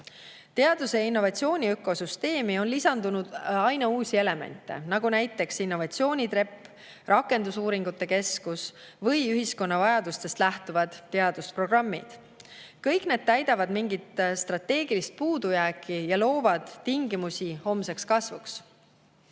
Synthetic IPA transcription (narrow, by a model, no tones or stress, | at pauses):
t̪e̞ɑd̪̥use̞inːo̞vɑt̪sio̞ːnʲiøkːˑo̞syst̪e̞ːmio̞nlisɑnd̪̥unud̪̥ɑjnɑuːsie̞le̞me̞̰nt̪ˑːe̞̰nɑɡ̥unæjt̪ˑːe̞ksinːo̞vɑt̪sio̞ːnʲit̪re̞pː | rʔɑkːˑe̞nd̪usuːɾiŋɡut̪ːe̞ke̞skus | vɤjyɦisko̞nːɑvɑjɑd̪ust̪e̞st̪læht̪uvɑd̪̥t̪ːe̞ɑd̪uspro̞ɡrɑmːḭd̪̥ | kɤjkne̞ːd̪̥̚t̪ːæjd̪ɑvɑd̪miŋɡit̪st̪rɑt̪ːe̞ːɡ̥ilist̪̚puːd̪̥ujæːkʰˑːijɑlo̞ːvɑd̪̥t̪iŋɡimusʲiho̞mse̞kskɑsvuks